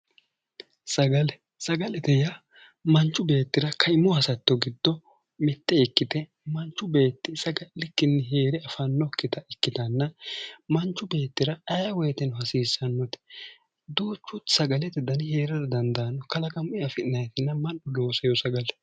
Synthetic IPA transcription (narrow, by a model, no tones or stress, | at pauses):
sɐɡɐlɛ | sɐɡɐlɛt̪ɛja | mɐnt͡ʃːʊbe̞ːt̪ːɪɾɐkʰɐɪmːɔhɐsɐt̪ːɔɡɪd̪ːɔ | mɪt̪ːɛɪkːɪt̪ɛ | mɐnt͡ʃːʊbe̞ːt̪ːɪsɐɡɐlɪkːɪnːɪɦeːɾɛɐfɐnːɔkːɪt̪ɐɪkːɪt̪ɐnːɐmɐnt͡ʃːʊbe̞ːt̪ːɪɾɐɐjɐwɔjt̪ɛnɦɐsiːsɐnːɔt̪ɛ̥ | d̪oːt͡ʃːʊt̪sɐɡɐlɛt̪ɛd̪ɐnɪheːɾɛɾɐd̪ɐnd̪ɐnːɔkɐlɐkʼɐmʊʔɪɐfɪɪnɐjɛt̪ɪnːɐmɐnʔɔlo̞ːsɐjɔsɐɡɐlɛ